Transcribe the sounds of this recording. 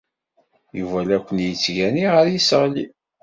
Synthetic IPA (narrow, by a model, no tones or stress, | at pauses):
juvælækʷːənjət͡sːʝæniʁəɾjisəʁlḭ